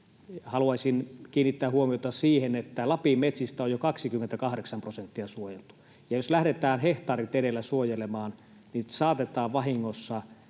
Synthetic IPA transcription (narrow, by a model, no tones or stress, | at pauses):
hɑluɑisinkiːnːit̪ːæːhuomiot̪ɑsiːhenet̪ːælɑpimet̪sist̪æojjokɑksikymːent̪ækɑhɾeksɑmprosent̪ːiɑsuojelt̪u̥ | jɑjoslæhdet̪æːnheht̪ɑːrit̪eɾelːæsuojelemɑːn | nisɑːt̪et̪ɑːʋʋɑhiŋːosːɑ